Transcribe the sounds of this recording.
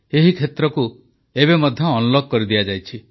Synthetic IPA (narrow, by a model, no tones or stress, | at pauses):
eɦikʰet̪ɾɔku | ebemɔd̪ʱjɔːnulɔɡ̚kːɔɾid̪iad͡ʒajt͡ʃʰi